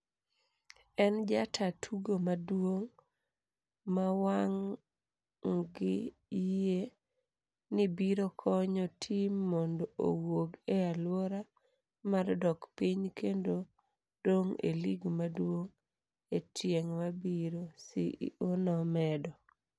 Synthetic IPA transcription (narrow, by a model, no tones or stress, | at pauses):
ɛnd͡ʒatʰatʰuɡomadwoŋ | mawaŋ | ŋɡɪ | ije | nɪbiɾokʰɔɲɔtʰimːɔndɔʔo̰woɡealwoɾa | mardɔkpiɲkʰendo | d̥oŋḛliɡmadwoŋ | etjeŋmabiɾosɪ̰ʔonɔmɛdɔ